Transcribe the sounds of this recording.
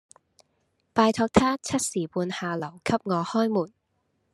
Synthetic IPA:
paː˨˧jt̪ʰɔː˧k̚t̪ʰaː˥t͡sʰɐ˥t̚siː˨˩puː˧nhaː˨lɐ˨˩wkʰɐ˥p̚ŋɔː˨˧hɔː˥jmuː˨˩n

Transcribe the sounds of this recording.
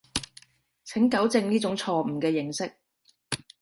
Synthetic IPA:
t͡sʰɪ˨˥ŋkɐ˨˥wt͡sɪ˧ŋniː˥t͡sʊ˨˥ŋt͡sʰɔː˧m̩˨˩kɛː˧jɪ˨˩ŋsɪ˥k̚

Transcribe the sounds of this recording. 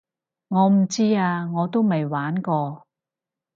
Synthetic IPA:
ŋɔː˨˧m̩˨˩t͡siː˥aː˧ŋɔː˨˧t̪o˥wmɐ˨jwaː˨˥nkɔː˧

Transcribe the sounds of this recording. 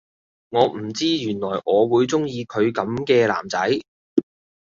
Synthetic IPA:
ŋɔː˨˧m̩˨˩t͡siː˥jyː˨˩nlɔː˨˩jʔɔː˨˧wuː˨˧jt͡sʊ˥ŋjiː˧kʰɵ˨˧ɥkɐ˨˥mkɛː˧la̰ː˨˩mt͡sɐ˨˥j

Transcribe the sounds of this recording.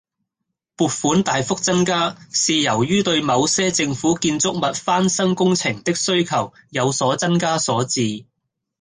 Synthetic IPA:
puː˨t̚fuː˨˥nt̪aː˨jfʊ˥k̚t͡sɐ˥nkaː˥siː˨jɐ˨˩wjyː˥t̪ɵ˧ɥmɐ˨˧wsɛː˥t͡sɪ˧ŋfuː˨˥kiː˧nt͡sʊ˥k̚mɐ˨t̚faː˥nsɐ˥ŋkʊ˥ŋt͡sʰɪ˨˩ŋt̪ɪ˥k̚sɵ˥ɥkʰɐ˨˩w | jɐ˨˧wsɔː˨˥t͡sɐ˥nkaː˥sɔː˨˥t͡siː˧

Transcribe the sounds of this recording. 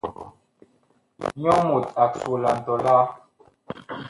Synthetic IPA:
ɲɔ˦mu˨ta˨su˨la˨n̩˨tɔ˨la˦

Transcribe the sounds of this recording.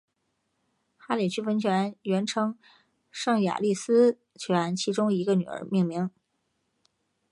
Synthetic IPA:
xa˥li˨˩t͡ɕʰy˥fə˧˥nt͡ɕʰɥɛ˧ɛ˥a˧˥nɥɛ˧˥nʈ͡ʂʰɤ˧˥ŋ | ʂɑ˥˩ŋja̰˨˩li˥˩sɹ̩˥ | t͡ɕʰɛ˥˧a˧˥nt͡ɕʰi˧˥ʈ͡ʂʊ˥ŋi˧˥ɡə˧ny̰˨˩ə̰˧˥mi˥˩ŋmi˧˥ŋ

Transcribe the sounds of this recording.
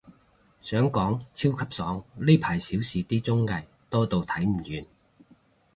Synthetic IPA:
sœː˨˥ŋkɔː˨˥ŋt͡sʰiː˥wkʰɐ˨˥p̚sɔː˨˥ŋli˥pʰaː˨˩jsiː˨˥wsiː˨t̪iː˥t͡sʊ˥ŋːɐ˨j | t̪ɔː˥t̪o˨wt̪ʰɐ˨˥jm̩˨˩jyː˨˧n

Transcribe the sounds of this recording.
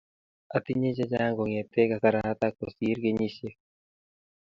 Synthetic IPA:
a˨t̪i˦ɲe˦d͡ʒe˦d͡ʒa˦ŋɡo˨ŋe˨t̪e˦ka˨sa˨ɾa˦t̪a˦ko˨si˨˦ɾɡe˦ɲi˦se˦

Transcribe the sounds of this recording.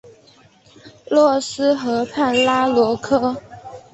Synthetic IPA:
lwɔ˥˩sɹ̩˥xɤ˧˥pʰa˥˩nla˥lwɔ˧˥kʰɤ˥

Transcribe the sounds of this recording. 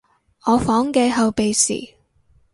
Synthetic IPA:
ɔː˨˧fɔː˨˥ŋkɛː˧ɦɐ˨˧wpe˨jsḭː˨˩

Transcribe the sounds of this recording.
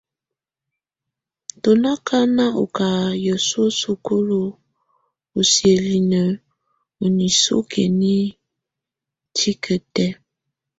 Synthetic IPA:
to˨na˦kʰa˦na˦ʔṵ˨ka˨jɔ˨so˦su˨ko˦lo˨ | u˨si˨e˨li˨nə˨ | u˨ni˨so̰˦kʰḛ˨ni˦ | tʰi˦kʰə˨tɛ˦

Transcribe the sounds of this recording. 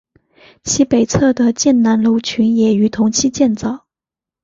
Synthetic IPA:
t͡ɕʰi˧˥pe˨˩ɪt͡sʰɤ˥˩d̪ə˩t͡ɕjɛ˥˩nna˧˥nlo˧˥ʊt͡ɕʰy˧˥njɛ˨˩y˨˩t̪ʰʊ˧˥ŋt͡ɕʰi˥t͡ɕjɛ˥˧nt͡sɑ˥˨˩ʊ

